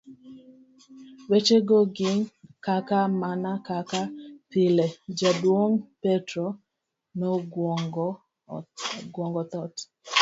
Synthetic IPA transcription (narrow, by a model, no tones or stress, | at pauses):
wet͡ʃeɡoɡɪŋkakamanakakapɪlɛd͡ʒadwoŋpɛtɾɔ | nɔɡŋɡ | ɡwɔŋɡɔt̪ɔt